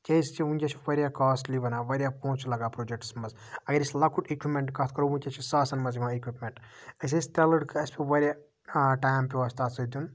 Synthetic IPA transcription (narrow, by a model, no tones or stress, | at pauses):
kʲejst͡ʃiunʲd͡ʒʲɐt͡ʃʰiʋɐɾijakaːsʈliʋɐnaːʋɐɾijapõːt͡ʃulaːɡaːpɾoːd͡ʒek̚ʈsmɐz | ɐɡɐɾislɐkʰuʈikʋipmeɳʈkaːt̪ʰkɐɾuunʲt͡ʃʲɐt͡ʃʰisaːsɐnmɐzimaekʋipmʲeɳʈ | ɐs̬ɐst̪elɐɖkɨɐspʲeʋɐɾʲja | ʈajmpʲiʋaːst̪aːsɐd̪un